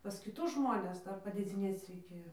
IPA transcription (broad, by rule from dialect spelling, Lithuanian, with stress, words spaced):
pɐs kʲɪˈtʊs ˈʒmoːnʲɛs ˈdɐr pɐdʲeːˈd͡zʲɪnʲeːt͡s rʲɛɪˈkʲeːjoː